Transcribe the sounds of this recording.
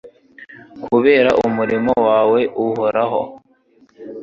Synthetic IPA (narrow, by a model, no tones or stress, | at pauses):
kʰuβeːɾaʔumuɾimo̞waːwe̞ʔuhoɾaɦo̞̰